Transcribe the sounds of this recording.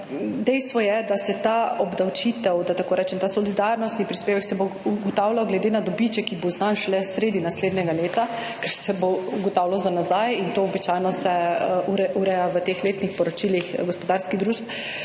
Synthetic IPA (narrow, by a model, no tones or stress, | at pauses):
d̪ɛjst̪ʋɔjɛd̪asɛt̪aɔbd̪awt͡ʃit̪ɛwd̪at̪akoːɾɛːt͡ʃɛmt̪asɔlid̪aɾnɔst̪nipɾispeːʋɛksɛbouɡɔt̪awlawɡlɛd̪enad̪ɔbit͡ʃɛkiboznanʃlɛsɾeːd̪inasled̪nɛɡaleːt̪a | kɛɾsɛbouɡɔt̪aːwlawzanazajint̪oɔbit͡ʃajnɔsɛʔuɾɛʔuɾɛjaʋət̪exleːt̪nixpɔɾɔt͡ʃilixɡɔspɔd̪aɾskiɣd̪ɾuːʃt